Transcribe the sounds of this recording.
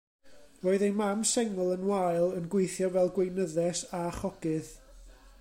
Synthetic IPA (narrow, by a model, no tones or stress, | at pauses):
roːɨðejmamsɛŋʊlˠənwajlˠənɡweɨθjɔvɛlˠɡwejnəðɛsaχɔɡ̥ɨð